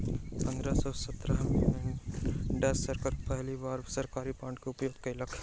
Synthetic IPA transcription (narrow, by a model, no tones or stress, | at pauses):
pɐ̃nd̪ɾasɔːsɐt̪ɾaɦmɪlənɖɛsːɐɾkəɾpɛɦlibaːɾsɐɾkaːɾipãːɳʈkeʊpjoːɡkaɪlɐkʰ